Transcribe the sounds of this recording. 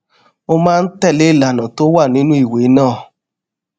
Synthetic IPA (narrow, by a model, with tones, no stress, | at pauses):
o˦mãː˦n̩˦tɛ˦˨le˦i˦˨la˨nã˨to˦wa˦˨nĩ˦nũ˦i˦˨we˨˦nãː˦˨